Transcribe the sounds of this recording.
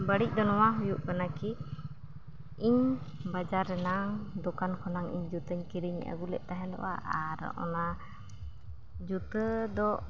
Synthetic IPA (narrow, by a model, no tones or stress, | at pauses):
baɽic̚ˀd̪ɔnɔwaɦujuʔkanaki | iɲbad͡ʒaɾɛnaŋd̪ɔkankʰɔnaŋḭɲd͡ʒut̪əɲkiɾiɲa̰ɡulɛ̰ʔt̪aɦɛnd̪ɔ̰wa̰ʔaɾɔ̰ʔɔ̰na | d͡ʒut̪əd̪ɔ